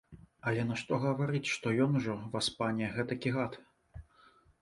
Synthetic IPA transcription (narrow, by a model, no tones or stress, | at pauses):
ɐlʲɛnɐʂt̪ɔɣɐvaɾɨt͡sʲʂt̪ɔjɔnuʐɔvaspanʲɛɣɛt̪ɐkʲiɣat̪